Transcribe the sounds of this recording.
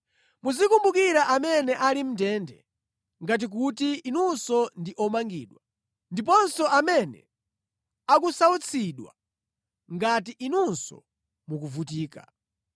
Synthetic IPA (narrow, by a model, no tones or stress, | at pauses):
muzikumbukiɾaʔamɛnɛʔalim̩tɛndɛ̰ | ŋɡat̬ik̬utiinunsɔndiʔɔmaŋɡḭːɗwa | ndip̬ɔnsɔʔamɛnɛ̰ | ak̬usaut͡sʰiɗwa̰ | ŋɡatiʔinunsɔ̰ | muk̬uvut̬iːka̰